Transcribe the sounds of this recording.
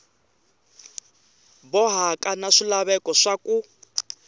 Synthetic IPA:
bɔɦakʼanaʂilaβɛkɔʂaku

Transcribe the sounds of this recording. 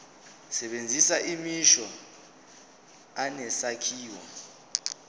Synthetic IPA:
sɛɓend͡zʱisaʔimiʃɔ | anɛsakʰiːwa̰

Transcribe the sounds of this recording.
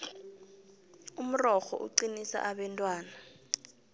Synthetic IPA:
um̩rɔxɔ̰ʔṵǀinisa̰ʔaɓɛntʼwaːna

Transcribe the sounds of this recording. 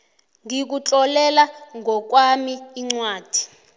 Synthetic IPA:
ŋik̬ut͡ɬʼɔlɛlaŋʱɔk̬wamiːŋ͡ǀwaːd̥ʱi̥

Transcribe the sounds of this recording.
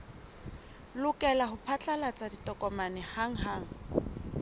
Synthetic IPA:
lʊkʼɛlaɦʊpʰat͡ɬʼalat͡sʼaditɔkʼɔmanɛhaŋ̩ɦaːŋ̩

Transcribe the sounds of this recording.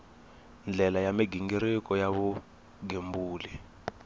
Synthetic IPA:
nd͡ɮʱɛlajamiɡiŋɡiɾikʼɔjaβu | ɡembuːli

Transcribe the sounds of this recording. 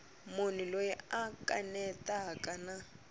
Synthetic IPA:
mʊnilojɛakʼanɛtʼakʼana

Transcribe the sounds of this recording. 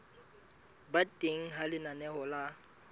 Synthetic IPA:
batʼeŋ̩ɦalɪnanɛɦɔla

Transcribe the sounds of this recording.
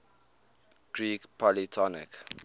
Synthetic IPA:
ɡ̥ɹiːkpʰɔlitʰɔnɪ̰k

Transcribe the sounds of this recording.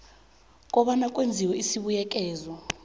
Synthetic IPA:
k̬ʼɔɓanakʼwend͡zʱiwɛisiɓujɛk̬ʼɛːzɔ

